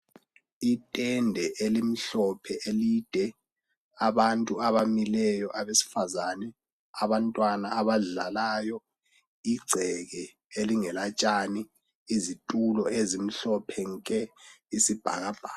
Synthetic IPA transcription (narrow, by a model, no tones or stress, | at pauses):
itʼɛndʱɛʔelim̩ɬɔpʰɛʔelid̥ʱɛ | aβantʼuaβamilɛjɔʔaβesi̥fazanɛ | aβantʼwanaːβaɮalaːjɔ | iɡ͡ǀʱɛɣɛ | eliŋɛlat͡ʃʼaniː | zitʼulɔezim̩ɬɔpʰɛŋkʼɛisib̥ʱa̰ɣab̥ʱaː